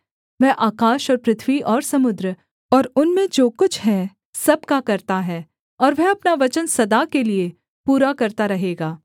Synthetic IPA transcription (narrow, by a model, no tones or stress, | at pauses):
ʋɛɦʔaːkaːʃɔːɾpɾɪt̪ʰʋiʔɔːɾsɐmʊd̪ɾə | ɔːɾʊnmẽd͡ʒoːkʊt͡ʃʰɦɛ | sɐb̚kakɐɾt̪aɦɛː | ɔːɾʋɛɦɐpnaʋɐt͡ʃənsɐd̪akelie | puːɾakɐɾt̪aɾɐɦeːɡaː